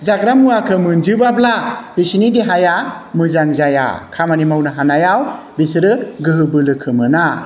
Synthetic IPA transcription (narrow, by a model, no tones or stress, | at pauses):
zaɡɾamuakʰɯmɯnd͡ʒɯbablab̥isinideɦajamɯzaŋzaja̰kʰamanimawnɯɦanajaw | bisɯɾɯɡɯɦɯbɯlɯkʰɯmɯna